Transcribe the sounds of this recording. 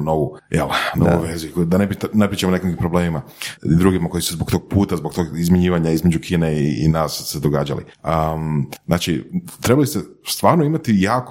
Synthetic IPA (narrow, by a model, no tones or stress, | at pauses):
no̞ʋujḛlˠno̰ʋṵjʋezikd̪anepit̪napɾit͡ʃemonekiŋkipɾobleːmimaid̪ɾuːɡimakojisuzbok̚t̪o̞ɡ̚puːt̪azbokt̪o̞ɡizmʲjiɲiːʋaɲaizme̞d͡ʒukʰiːneiḭnaːssed̪oɡaːd͡ʒa̰lḭəznaːt͡ʃit̪ɾebalist̪est̪ʋaːɾnoimat̪ijaːk